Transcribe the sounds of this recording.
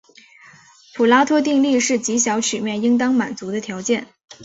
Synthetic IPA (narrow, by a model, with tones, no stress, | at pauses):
pʰu˨˩la˥t̪ʰwɔ˥t̪̬i˥˧ŋli˥˧ʂɻ̩˥˩t͡ɕi˧˥ɕjɑ˧˥ʊt͡ɕʰy˨˩mjɛ˥˩ni˥ŋt̪̬ɑ˥ŋma˨˩nt͡su˧˥d̪ə˧t̪ʰjɑ˧˥ʊt͡ɕjɛ˥˩n